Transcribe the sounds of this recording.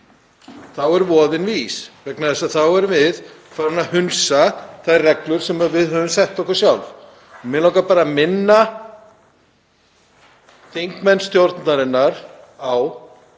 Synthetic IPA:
θawɛɾvɔːðɪnviːsvɛknaðɛsaðθawɛɾvɪðfaɾʏnahʏnsaθajrɛklʏɾ̥sɛmavɪðhœːvʏmsɛht̪ɔkʏɾ̥sjawlv | ɔmɪnlawkapaːɾamɪnːa | θiŋkmɛnst̪jowɾt̪naɾɪnːaɾ̥ | aw

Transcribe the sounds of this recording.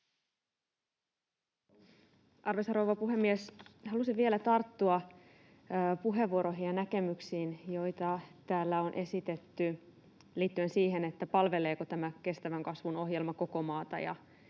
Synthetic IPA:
ʔɑrʋesɑɾowʋɑpuɦe̞mːieshɑlusiʋielæt̪ɑrt̪ːuɑː | puɦe̞ʋːuoɾoɦijɑnæke̞myksiːnjo̞jt̪ɑt̪æːlːæo̞nʔe̞sit̪e̞t̪ːy | liːt̪ːye̞nsiːɦe̞ne̞t̪ːæpɑlʋe̞le̞ːko̞t̪æmæke̞st̪æʋæŋkɑsʋuno̞ɦje̞lmɑko̞ko̞mɑːt̪ɑ̰jɑ̰

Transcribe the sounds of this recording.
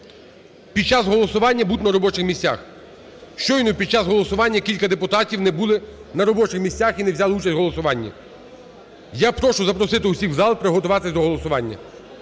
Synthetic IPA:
pʲid̪̚t͡ʃɑzɦɔlˠɔsʊʋɑnʲːɐbut̪ʲnɐɾɔbɔt͡ʃɪxmʲisʲt͡sʲa̰x | ʃt͡ʃɔjnɔpʲid̪t͡ʃɑzɦɔlˠɔsʊʋɑnʲːɐkʲilʲkɐd̪epʊt̪ɑtʲiwnɛbulˠɪnɐɾɔbɔt͡ʃɪxmʲisʲt͡sʲaxinɛwzʲalˠut͡ʃɐsʲɦɔlˠɔsʊʋɑnʲːɐ̰ | japɾɔʃʊzɐpɾɔsɪt̪ɪʊsʲiwzɑlˠpɾɪɦɔt̪ʊʋɑt̪ɪsʲd̪ɔɦɔlˠɔsʊʋɑnʲːɐ̰

